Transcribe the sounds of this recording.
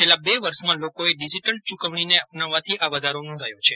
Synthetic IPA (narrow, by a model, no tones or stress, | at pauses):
t͡ʃʰelabeʋəɾʃmãlokoeɖisiʈəɳʈ̚t͡ʃukəʋɳ̃ineəpnaʋːat̪ʰiʔaʋəd̪ʱaɾonɔ̃d̪ʱajot͡ʃʰe